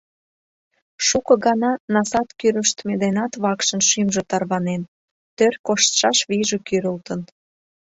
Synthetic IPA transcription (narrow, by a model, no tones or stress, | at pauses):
ʃukɤ̆ɣɑnɑnɑsɑt̪kyɾəʃt̪med̪enɑt̪βɑkʃə̆nʃymʒot̪ɑrβɑnen | t̪ørkoʃt̪ʃɑʃβiʒekyɾəlt̪ən